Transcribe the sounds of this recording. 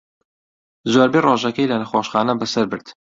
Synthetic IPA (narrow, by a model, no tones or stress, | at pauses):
zoːɾbeːroːʒɐkɐjlɐnɐxoːʃχɑːnɐbɐsɐɾbɨɾd̪̥